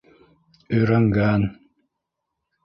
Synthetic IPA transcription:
ɵjɾæŋɡæn

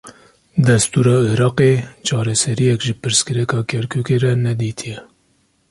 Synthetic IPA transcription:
d̪ɛst̪uːɾɑːiɾɑːqet͡ʃʰɑːɾɛsɛɾijɛkʒɨpɨɾskɨɾɛkɑːkʰɛɾkʰuːkeɾɛnɛd̪iːt̪ʰijɛ

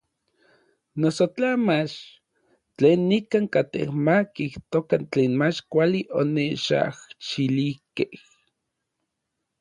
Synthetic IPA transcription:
nosot͡ɬamat͡ʃ | t͡ɬeːnːikaŋkat̪ḛhmakiht̪okant͡ɬeːnmat͡ʃkʷaliʔoneʃa̰ht͡ʃilihkeh

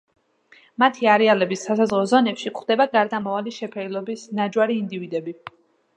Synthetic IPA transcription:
mat̪ʰiaɾɛalɛbisːasazʁɔzɔnɛpʃikχd̪̥ɛbaɡaɾd̪amɔvaliʃɛpʰɛilˠɔbisnad͡ʒwaɾiːnd̪ivid̪ɛbi

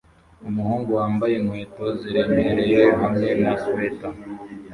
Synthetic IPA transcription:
umuhuːŋɡuwaːmbaje̞mwe̞ːto̞ziɾe̞meɾe̞jeɦamŋe̞nasweta

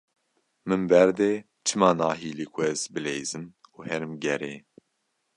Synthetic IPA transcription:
mɨmbɛɾd̪eː | t͡ʃʰɨmɑːnɑːɦiːlikʷʰɛzbɨleːzɨmuːhɛɾɨmɡɛɾeː

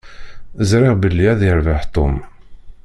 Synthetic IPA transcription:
zɾɪʁbəlːiæðiɾvaħt̪ːʊ̰m

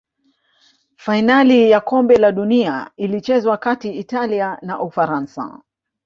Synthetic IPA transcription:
fainalijakɔmbɛlaɗuniailit͡ʃɛzwakatiːtalianaʔufaɾansa̰

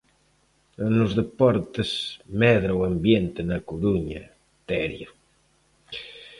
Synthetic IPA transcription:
nʊzðepɔɾt̪esmɛðɾawambjent̪ɪnɐkuɾuɲɐ̰ | t̪ɛɾjo

